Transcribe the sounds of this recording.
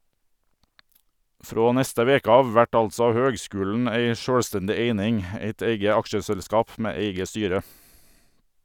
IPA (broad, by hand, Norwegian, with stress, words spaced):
ˈfɾoː ˈnɛstə ˈʋeːkə ˈɑːʋ ˈʋæʈ ˈɑlsɔ ˈhøːɡˌskʉːln̩ ˈæɪ ˈʃøːlˌstɛndɪ ˈeɪnɪŋ ˈeɪt ˈeɪɡə ˈɑkʃəsɛlˌskɑːp ˈmeː ˈeɪɡə ˈstyːɾə